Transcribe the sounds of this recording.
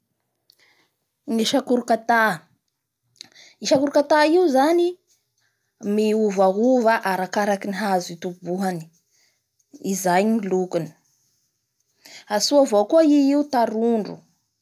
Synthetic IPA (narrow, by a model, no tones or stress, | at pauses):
ŋiʃakuɾukat̪a | iʃakuɾukat̪aiuzani | miuvaɦuvaʔaɾakaɾakiniɦazit̪ubuɦani̥ | izajŋilukuni̥ | asuavokuaiiut̪aɾuɳɖ͡ʐṵ